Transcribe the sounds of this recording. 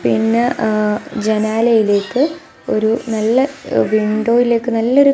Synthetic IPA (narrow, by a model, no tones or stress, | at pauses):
pinːɨ | d͡ʑenaːlɐjile̞ːkːɨ | o̞̰ɾunɐlːɐʋiɳɖoːjile̞ːkːɨnɐlːɐo̞ɾu